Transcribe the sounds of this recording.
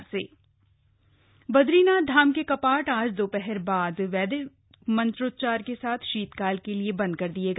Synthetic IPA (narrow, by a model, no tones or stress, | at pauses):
seː | bɐd̪ɾiːnad̪ʱaːmkekɐpaːʈaːd͡ʒd̪oːpɛɦɛɾbaːd̪ʋɛːd̪e | mɐ̃nt̪ɾoːt̪̚t͡ʃaːɾkesaːt̪ʰʃiːt̪kaːlkeliebɐ̃nd̪̚kɐɾd̪ieːɡ